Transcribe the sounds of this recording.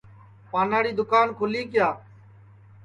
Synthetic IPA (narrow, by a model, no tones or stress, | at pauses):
paːnaːɽiːd̪ʊkaːnkʰʊliːkɪjaː